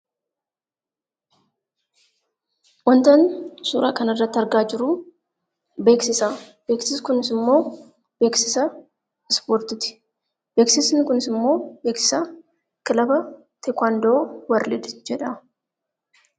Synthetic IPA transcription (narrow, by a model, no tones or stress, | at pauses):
wɐnt̪ɐnsuːɾʔa̰ːkɐnɐrːɐt̪ːɐɾɡaːd͡ʒɪɾʊ | be̞ːksɪsa | be̞ːksɪskʊnɪsɪmːo̞ː | b̥e̞ːksɪsɐ | ɪspoːɾt̪ɪt̪ɪ̥ | beːksɪsnɪkʊnɪsɪmːo̞ːbe̞ːksɪ̥sɐ | kɪlɐbɐ | t̪ɛkʷaːnd̪oːwɐɾlɪd̪d͡ʒɛᶑɐ